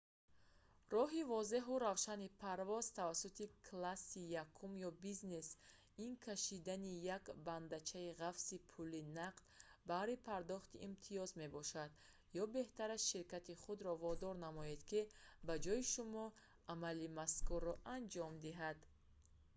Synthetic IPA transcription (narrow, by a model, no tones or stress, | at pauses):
rɔɦivɔze̞ɦuɾavʃanipʰaɾvɔzt̪ʰavasut̪ʰikʰlasijakʰːumjɔbizne̞s | inkʰaʃid̪anijakband̪at͡ʃʰaiʁafsipʰulinaqt̪baɾipʰaɾd̪ɔχt̪iʔːmt̪ʰiɔzme̞bɔʃad̪ | jɔbe̞ht̪aɾasʃiɾkat̪iχud̪ɾɔvɔd̪ɔɾnamɔed̪kibad͡ʒɔjiʃumɔ | amalimaskurːɔʔand͡ʒɔmd̪iɦad̪